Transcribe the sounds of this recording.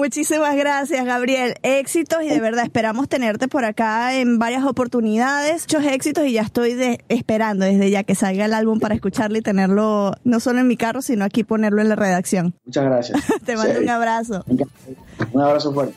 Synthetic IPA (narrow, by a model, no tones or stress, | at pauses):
mut͡ʃisimazɣɾasjazɣaβɾje̞le̞ksit̪o̞siðe̞β̞e̞ɾðaespe̞ɾamo̞st̪e̞ne̞ɾt̪e̞po̞ɾakaembaɾjaso̞po̞ɾt̪uniðaðe̞st͡ʃo̞se̞ksit̪o̞siʝaest̪o̞jðeespe̞ɾand̪o̞ðe̞zðe̞ʝake̞salɡaelalβumpaɾaeskut͡ʃaɾleit̪e̞ne̞ɾlo̞no̞so̞loeŋmikaro̞sino̞akipo̞ne̞ɾlo̞e̞nlare̞ð̞aksjo̞ŋmut͡ʃazɣɾasja̰t̪emand̪ouŋaβɾaso̞eŋkauŋaβɾasofweɾt̪e